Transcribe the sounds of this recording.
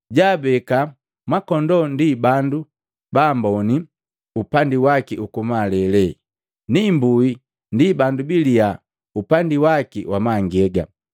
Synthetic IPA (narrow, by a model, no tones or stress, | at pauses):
ɟaːbɛka | mwakɔndɔndibandu | bambɔni | upandiwakiʔukumalɛlɛ | nimbui | ndibandubilija | upandiwakiwamaŋɡɛɡa̰